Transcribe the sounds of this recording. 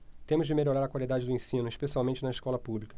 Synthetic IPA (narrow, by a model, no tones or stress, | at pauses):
t̪ẽmʊzd͡ʒɪmeʎoɾaɾɐkwalid̪ad͡ʒɪd̪ʊẽsĩnʊeʃpesiawmẽnt͡ʃɪnɐɪʃkɔlɐpublikɐ̥